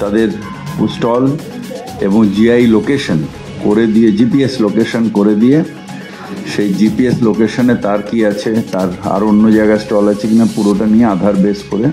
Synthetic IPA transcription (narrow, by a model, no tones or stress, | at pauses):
t̪ad̪eɾ | usʈɔl | eboŋd͡ʑiajlokeʃon | koɾed̪ijed͡ʑipieslokeʃonkoɾed̪ije | ʃejd͡ʑipieslokeʃonet̪aɾkiat͡ɕʰet̪aɾa̰ɾonːod͡ʑaeɡaesʈɔlat͡ɕʰekinapuɾoʈaniead̪ʱaɾbeskoɾe